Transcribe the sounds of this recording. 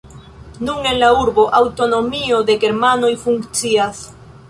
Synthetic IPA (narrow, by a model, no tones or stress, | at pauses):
nuŋe̞nlauɾbo̞ʔawto̞no̞mio̞de̞ɡe̞ɾmano̞jfuŋkt͡sias